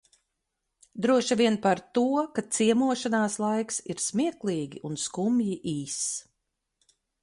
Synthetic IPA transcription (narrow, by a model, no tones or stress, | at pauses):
d̪ɾuɔʃavʲiɛnpaɾt̪uɔkat̪siɛmuɔʃanaːslˠajksiɾsmiɛklˠiːɡʲiʔunskumjiʔiːs